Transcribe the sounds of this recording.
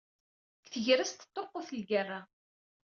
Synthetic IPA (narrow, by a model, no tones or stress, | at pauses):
kθəʝɾæst̪ə̥t̪ˤːoqːoθlɡərːa